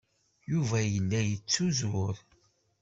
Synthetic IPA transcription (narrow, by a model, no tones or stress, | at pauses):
juvæjənːæjət͡sːuzʊɾ